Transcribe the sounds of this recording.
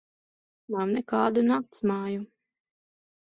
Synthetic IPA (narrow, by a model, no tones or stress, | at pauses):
nawnɛkaːd̪unaːk̚t̪smɑːju